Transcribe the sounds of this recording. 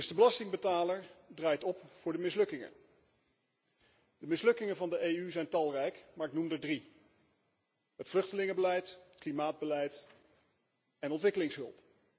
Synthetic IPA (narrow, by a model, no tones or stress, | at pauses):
dɵsdəbəlɑstɪŋbətaːləɹdraːjtɔpfʊːɹdəmɪslɵkɪŋə̰n | d̥əmɪslɵkɪŋənvɑndəʔeːyzɛjntɑlˠrɛjkmaːɹɪknumdədri | ɦətflɵχtəlɪŋəbəlɛjttklimaːd̚bəlɛjt | ɛnɔntʋɪkəlɪŋsɦɵ̰lˠp